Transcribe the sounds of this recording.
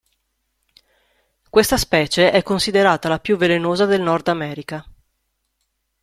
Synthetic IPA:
kwest̪aspɛːt͡ʃeʔɛkːonsid̪eɾaːt̪alapjuvːelenoːzad̪elnɔrd̪amɛːɾika

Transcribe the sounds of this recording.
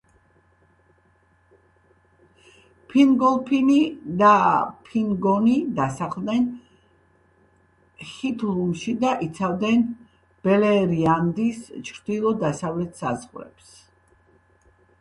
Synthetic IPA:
pʰiŋɡɔlˠpʰinid̪apʰiŋɡɔnid̪asaχlˠd̪nɛn | χit̪ʰlˠumʃid̪aʔit̪sʰavd̪ɛn | b̥ɛlɛɾiand̪ist͡ʃʰɾd̪ilˠɔd̪asavlɛt̪ʰsa̰zʁɾɛ̰ps

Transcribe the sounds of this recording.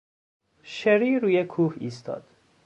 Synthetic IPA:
ʃeɾiɾuːjekʰuːhiːst̪ʰɒ̰ːd̪̥

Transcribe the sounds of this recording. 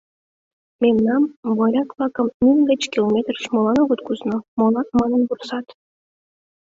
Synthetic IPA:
memnɑmβɑɾʲɑkvlɑkə̆mmʲinɡə̆t͡ɕkʲilˠomʲet̪rʃmolɑnoɣot̪kuznŏmolɑk̪̚mɑnə̆nbursɑt̪

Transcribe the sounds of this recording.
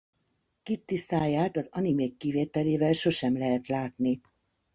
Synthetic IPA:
kit̪ːisaːjaːt̪ɒzɒnimeːkːiveːt̪ɛleːvɛlʃo̞ʃɛmlɛɦɛt̪laːt̪ni

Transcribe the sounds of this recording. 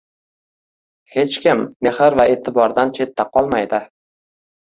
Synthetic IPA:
he̞t͡ʃkʲɪmːehɪɾvae̞t̪ʰɪbɒɾd̪ant͡ʃʰe̞t̪ːaqʰɒlˠmajd̪ɪ

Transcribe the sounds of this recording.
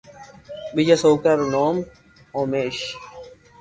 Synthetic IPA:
bid͡ʑɐsoːkɐɾnoːm | oːmeːɕ

